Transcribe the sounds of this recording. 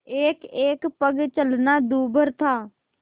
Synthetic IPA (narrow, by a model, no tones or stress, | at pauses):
eːkeːkpəɡt͡ʃəlnad̪uːbʱəɾt̪ʰaː